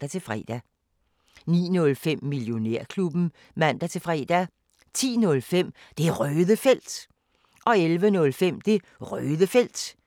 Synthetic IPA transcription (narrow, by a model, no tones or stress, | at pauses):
æt͡sʰe̝fʁɛ̰d̥æ | nḭːnɔ̽lfem̰ːiljo̝ne̝ɐ̰kʰlub̥n̩ | mæn̰d̥æt͡sʰe̝fʁɛ̰ːd̥æ | t͡sʰḭːnɔ̽lfem̰d̥e̝ʁœːðˠəfel̰d̥ | ʔɒ̽elʋənɔ̽lfem̰d̥e̝ | ʁœːðˠəfel̰d̥